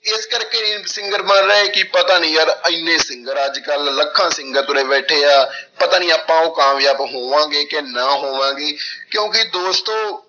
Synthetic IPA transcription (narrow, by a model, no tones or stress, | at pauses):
ɪskəɾkeːsɪ̃ŋɡəɾmãnɾəeːkɪpət̪aːnĩːəɾəɪnːẽːsɪ̃ŋɡəɾəd͡ʒkəlːəkʰːãːsɪ̃ŋɡəɾt̪ʊɾeːʋɛːʈʰeːaːpət̪aːnĩːaːpːãːoːkãːmjaːbɦoːʋãːɡeːkeːnaːɦoːʋãːɡeːkjõːkɪd̪oːst̪õː